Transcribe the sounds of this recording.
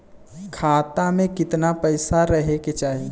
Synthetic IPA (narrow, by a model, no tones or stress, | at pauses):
kʰaːt̪amẽkɪt̪napəɪsaɾəɦeket͡ʃaːɦi